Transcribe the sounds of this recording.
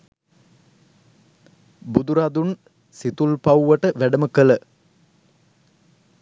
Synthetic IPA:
bud̪uɾad̪un | sit̪ulpawuʋəʈəʋæɖəməkələ

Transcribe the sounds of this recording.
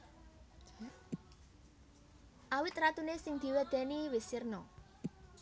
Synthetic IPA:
ʔawɪt̪̚ɾat̪unesɪŋd̪̥i̤wed̪̥ɛ̤niwɪsɪrnɔ

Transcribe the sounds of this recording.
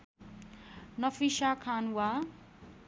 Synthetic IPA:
nʌfiʃakʰanwa

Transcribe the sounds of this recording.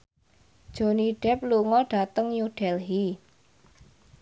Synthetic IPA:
d̥ʒ̥o̤niɖ̥ɛ̤p̚luŋɔɖ̥a̤t̪əŋjuɖ̥ɛlɦi

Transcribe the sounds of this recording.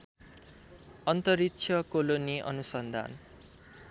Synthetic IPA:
ʌnt̪ʌɾitt͡sʰjʌkoloniʔʌ̰nusʌnd̪ʱa̰n

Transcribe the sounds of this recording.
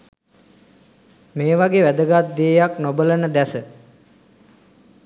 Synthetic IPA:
meːʋaɡeʋæd̪əɡat̪̚d̪iːjaknobələnəd̪æsə

